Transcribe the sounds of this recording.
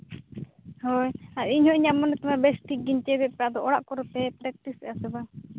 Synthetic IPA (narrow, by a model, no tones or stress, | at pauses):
hɔjaʔiɲhɔ̃iɲamɔnːɛt̪ɔmabɛsʈik̚ɡiɲt͡ʃɛbɛt̪̚pɛad̪ɔʔɔɽa̰ʔkɔɾɔt̪ɛpɾɛk̚ʈisɛʔasɛba